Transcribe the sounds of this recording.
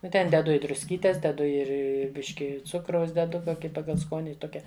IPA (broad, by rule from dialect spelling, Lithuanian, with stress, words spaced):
ˈnʊ tʲɛn dʲɛˈdʊ ɪ drʊsʲˈkʲiːtʲeːs dʲɛˈdʊ ˈɪr ɪ ˈbʲɪʃʲkʲɪ ˈt͡sʊkrɐʊs dʲɛˈdʊ ˈkoːkʲɪ ˈpɑːɡɐlˠ ˈskoːnʲɪ ˈtoːkʲɛ